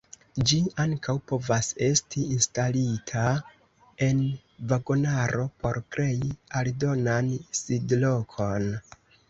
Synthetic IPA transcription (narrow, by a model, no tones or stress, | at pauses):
d͡ʒiaŋkʰawpo̞vase̞stiːnstalitʰa | e̞n | vaɡo̞naɾo̞pʰo̞ɾkɾe̞jialdo̞nansidlo̞kʰo̞n